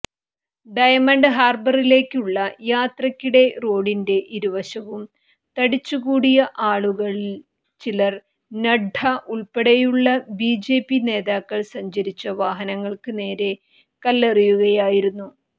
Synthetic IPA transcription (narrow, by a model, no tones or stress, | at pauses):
ɖɐjɐmɐɳɖɨɦaːrbɐrile̞ːkʲːuɭːɐjaːt̪rɐkʲːuɽe̞ro̞ːɽinde̞ʔiɾuʋɐɕɐʋum | t̪ɐɽit͡ɕːuɣuːɽijɐʔaːɭuɣɐɭi | t͡ɕilɐr | nɐɖʱʰɐʔuɭpeɽɐjuɭːɐbiːd͡ʑe̞ːpːine̞ːðaːkːɐɭsɐɲd͡ʑɐɾit͡ɕːɐʋaːɦɐnɐŋːɐɭkɨne̞ːɾe̞ | kɐlːerijuɣɐjaːjiɾunːu